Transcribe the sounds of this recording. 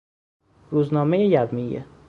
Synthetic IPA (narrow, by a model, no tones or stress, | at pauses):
ɾuːznɒːmejejævmijḛ